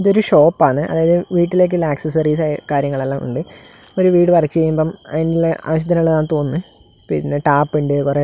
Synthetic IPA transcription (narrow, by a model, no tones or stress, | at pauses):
iðoɾuɕo̞ːpːaːɳɨʔɐ̰ðaːjɐðɨʋiːʈːile̞ːk̬ːɨlaːksɐs̬ɐriːsakaːɾjɐŋːɐɭɐlːaṵɳɖɨ | oɾuʋiːɽɨpɐrit͡ɕːɨt͡ɕejːumboːmɐ̰inileʔa̰ːʋɐɕ̬ɐd̪ʰʱɐnɭːɐðaːɳɨt̪o̞ːnːɨ | pinːeʈaːpːiɳɖikure